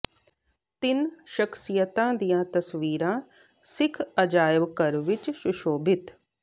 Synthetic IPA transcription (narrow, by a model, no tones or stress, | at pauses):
t̪ɪnʃəkʰsɪjət̪ãːd̪ijãːt̪əsʋiːɾãː | sɪkʰəd͡ʒaːjəʋkəɾʋɪt͡ʃsʊʃoːbɪt̪